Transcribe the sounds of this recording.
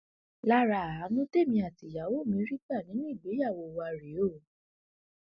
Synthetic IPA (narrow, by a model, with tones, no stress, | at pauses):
la˦ɾa˧˨a˨˦nũ˦te˦˨mĩ˧a˨ti˨ja˨˦wo˦˨mĩ˧˦ɾi˦ka˦˨nĩ˨˦nĩ˦˨ɡ͡be˨˦ja˦˨wo˧wa˧ɾe˨˦o˦˨